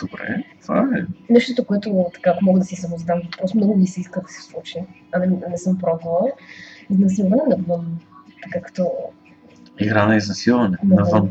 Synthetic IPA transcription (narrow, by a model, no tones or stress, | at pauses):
d̪̥obɾɛ̰t̪va̰ɛnɛʃt̪ot̪okoɛt̪ʊt̪ɐ̥kaːkomɔɡəd̪ɐsisɐmʊzd̪amvpɾɔsomnɡʊnisɛiskəd̪ɐsɛ̥slˠut͡ʃiɐnɛnɛsɤmpɾɔbəlˠəiznɐsilˠvɐnɛnɐvənt̪ɐkakɐ̥t̪ɔ | iɡɾanɐiznɐsilˠvɐnɛnɐvən